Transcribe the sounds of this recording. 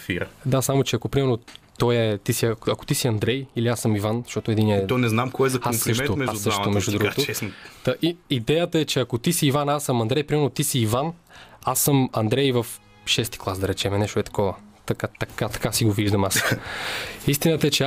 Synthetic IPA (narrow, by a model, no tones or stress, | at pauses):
fiɾd̪asamot͡ʃɛɐkopɾimɛɾnot̪ɔjɛt̪isiɐkɐko̥t̪isiɐnd̪ɾɛjiliasəmivanzɐʃtɔt̪ʊɛd̪inɛt̪ɔnɛznamkɔjɛzɐkamːɾʃɛomɛʒad̪ːʃt̪omɛʒd̪ud̪uɡt̪oɛsnit̪aʔiid̪ɛjət̪əɛt͡ʃɛɐkot̪isiːvanasːəmɐnd̪ɾɛjpɾimɛɾnot̪isiːvan | asːəmɐnd̪ɾɛjvɐf | ʃɛst̪i̥klˠasd̪ɐɾɛt͡ʃɛmɛnɛʃt̪ʊɛt̪ɐ̥kɔvət̪ɐkat̪ɐkat̪ɐ̥kasiɡoviʒd̪ɐmas | ist̪inət̪əɛt͡ʃɛ